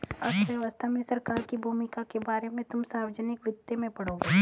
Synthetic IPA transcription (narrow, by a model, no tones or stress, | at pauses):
ɐsʋjəʋəst̪ʰamẽsɐɾkaːɾkibʱuːmɪkakebaːɾemẽt̪ʊmsaːʋd͡ʒənɪkʋɪd̪jemẽpɐɽoːɡe